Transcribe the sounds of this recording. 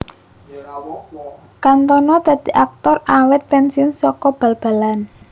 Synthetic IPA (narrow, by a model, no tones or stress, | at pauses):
kant̪ɔnɔd̪̥a̤d̪̥i̤ʔak̚t̪ɔrawɛt̪̚pɛnsinsɔkɔb̥ä̤lb̥a̤lan